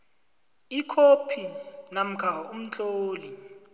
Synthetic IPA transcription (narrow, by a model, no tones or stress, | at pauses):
ikʰopʰinam̩kʰaum̩t͡ɬʼoːli